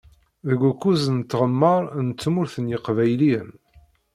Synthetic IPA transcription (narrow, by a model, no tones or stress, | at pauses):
ðəɡʷukːuzənt͡s̪ːʁəmːəɾˤnt͡sːmʊɾθənjəqvæjlin